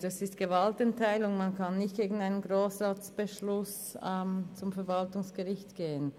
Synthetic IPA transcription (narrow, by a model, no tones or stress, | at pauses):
ɛsɪstɡ̥əvaltɛntʰaɪlʊŋmankʰanːɪçt̚ɡ̥eːɡŋn̩aɪnənɡʁoːsʁaːt͡sb̥əʃlʊs | ɛmt͡sʊmfɛɐvaltʊŋsɡ̥əʁɪçtɡ̥eːən